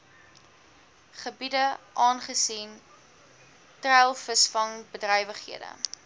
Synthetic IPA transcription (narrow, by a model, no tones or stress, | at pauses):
χəbidəʔɑːnχəsin | trɛjlˠfəsfɐŋbədrɛjvəχhḭədə̰